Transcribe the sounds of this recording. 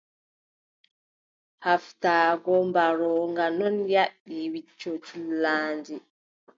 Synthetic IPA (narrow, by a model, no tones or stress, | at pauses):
haftaːɡɔmbaɾɔːŋɡanɔnjaɗːiwit͡ʃːɔt͡ʃulaːnd͡ʒi